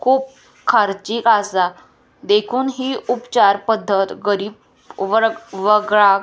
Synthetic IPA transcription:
kʰuːp̚ | kʰaɾt͡ɕiːkasa | d̪ekʰuːnɦiːupt͡ɕaɾpəd̪ʱːət̪ɡəɾiːb | ʋəɾʋəɡɭa

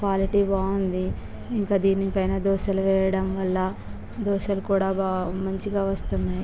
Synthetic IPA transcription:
kʋaːliʈiːbaːund̪i | iŋkaːd̪iːnipɐjnaːd̪ɔːʃɐluʋɛːjɐɽɐmʋɐlːɐ | d̪ɔːʃɐlukuːɽaːbamɐɲt͡ʃiɡaːʋɐst̪unːaːji

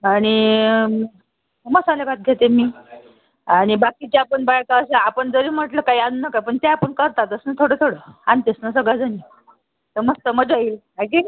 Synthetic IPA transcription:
aɽ̃i | məsalebat̪̚ɡʱet̪emiː | aɽ̃ibakit͡ɕaapəɳbajkaːsaːpəɳd͡zəɾiːm̤əʈləkaianunəkapəɳt̪ẽapəɳkəɾt̪at̪əsnət̪ʰoɽət̪ʰoɽəant̪esnəsəɡɭad͡zani | t̪əməst̪əməd͡ʑail | aɡe

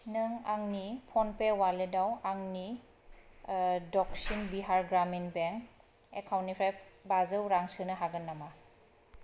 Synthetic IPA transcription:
nɯŋaŋnipʰɔnpewaledawaŋni | dɔk̚sinbiɦaɹɡɾaminbɛŋ | ɛ̰kʰawnipʰɾajbazɯwɾaŋsɯnɯɦaɡɯnːama

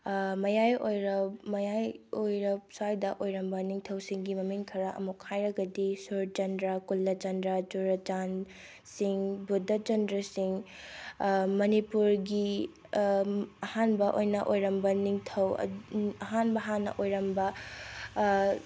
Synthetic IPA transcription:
mɐjajojɾɐpmɐjajojɾɐp̚sajdɐʔojɾɐmbɐniŋtʰɐwsiŋɡimɐmiŋkʰɐɾɐʔɐ̰mukʰːajɾɐɡɐdisuɾd͡ʒɐndɾɐkulːɐd͡ʒɐndɾɐd͡ʒuɾɐd͡ʒan | siŋbudɐd͡ʒɐndɾɐsiŋ | mɐnipuɾɡi | ɐhanbɐʔojnɐʔojɾɐmbɐniŋtʰɐw̰ɐɦanbɐɦanːɐ̰ʔojɾɐmbɐ

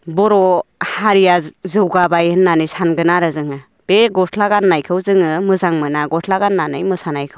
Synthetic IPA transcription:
bɔɾɔhaɾijazɯwɡabajɯnːanɯjsanɡɯnaɾɯzɯŋa | b̥eɡɔtʰlaɡanːajkʰɯwzɯŋɯmɯzaŋmɯnaɡɔtʰlaɡanːanɯjmɯsanajkʰɯw

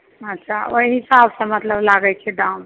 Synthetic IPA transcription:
ətːʃʰaoiɦisabsə̃mət̪ləblaɡɛt͡ʃʰeɖaun

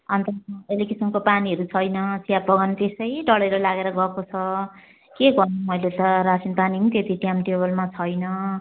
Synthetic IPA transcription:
ʌnt̪ʌelikisʌnkopaniɦʌɾut͡sʰʌjnʌsijapʌɡʌnt̪esʌjɖʌɭʌɾʌlaɡeɾʌɡʌkot͡sʰʌ | keɡʌnumʌjlet̪ʌɾasinpaniɦũt̪et̪iʈjamʈebʌlmat͡sʰʌjnʌ

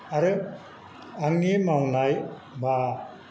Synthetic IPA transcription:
aɾɯ | aŋnimawnaj | ba

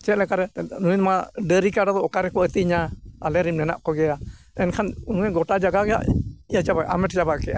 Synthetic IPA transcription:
t͡ʃɛt̪lɛkaɾɛnuɲt̪maɖəɾikaɖad̪ɔɔkaɾɛkɔət̪iɲaalɛɾimnɛna̰ʔkɔɡɛa | ɛnkʰanunuŋɛɡɔʈad͡ʒaɡaɡɛa̰ʔijat͡ʃabaʔamɛʈd͡ʒabaʔkɛʔa

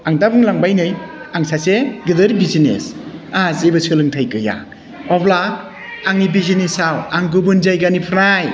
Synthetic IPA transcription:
aŋdabɯŋlaŋbajnɯj | aŋsʰaseɡɯdɯɾibizinḛsazebɯsʰɯlɯŋtʰajkɯja̰ | ɔblaː | ŋibizinesawaŋɡɯbɯnzajɡanipʰɾaj

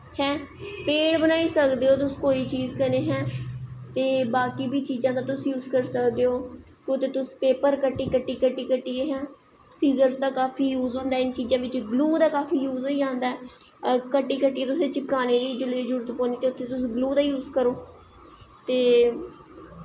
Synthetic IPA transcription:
hɛ̃ːpeːɽbənaːiːsəkd̪eːɦoːt̪ʊskoːiːt͡ʃiːzkəneːɦɛ̃ːt̪eːbaːkiːbiːt͡ʃiːzãːd̪aːt̪ʊsjuːzkəɾsəkd̪eːɦoː | kːʊt̪ːeːt̪ʊspeːpəɾkəʈːiːkəʈːiːkəʈːiːkəʈːiːeːɦɛ̃ː | siːzəɾzd̪aːkaːfʰiːjuːzɦõːnd̪aɛːɪnt͡ʃiːzãːʋɪt͡ʃɡluːd̪aːkaːfiːjuːzoːiːãːnd̪aɛː | kəʈːiːkəʈːiːeːt̪ʊsẽːt͡ʃɪkkaːneːd̪iːd͡ʒʊliːd͡ʒʊɾət̪põːniːt̪eːʊt̪ʰːeːt̪ʊsɡluːd̪aːjuːzkəɾoː | t̪eː

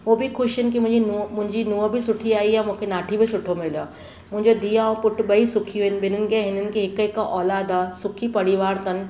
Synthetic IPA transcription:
ʋobʱikʰʊʃɦɪnkimʊ̃ɦɪ̃d͡ʑinumʊ̃ɦɪ̃ɲd͡ʑinũːəbʱisʊʈʰiaːijamʊ̃ːkʰenaːʈʰibʱisʊʈʰomɪljoː | mʊ̃ɦɪ̃ɲd͡ʑod̪iːaːõpʊʈʰbəisʊkʰijũɦɪnbʱɪn̤ənɪ̆keɦɪnənɪ̆keɦɪkəkaʔɔːlaːd̪aːsʊkʰipɐɽɪʋaːɾt̪ɐn

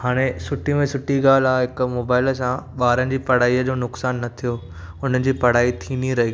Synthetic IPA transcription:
haːɽ̃esʊʈimẽsʊʈiɡaːl̤aːɦɪkmoːbaːɪls̬ãɓaːɾənɪ̆d͡ʑiːpɐɽ̤aːiːəd͡ʑoːnʊksaːnːɐt̪ʰijo | ʊn̤ənɪ̆d͡ʑiːpɐɽ̤aːit̪ʰiːniɾɐɦi

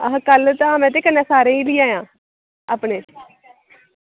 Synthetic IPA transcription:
əɦãːkəlt̪ãːmɛ̃ːt̪̬eːkənːãːsaːɾẽːiːliːaːjãː | aːpɳeː

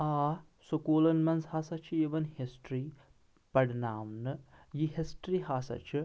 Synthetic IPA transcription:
aː | sokoːlɐnmɐnshaːsɐt͡ʃʰuiːʋɐnhisʈɾiː | pɐɽnaːwnɨjiɦisʈɾiɦaːsɐ̰t͡ʃʰu

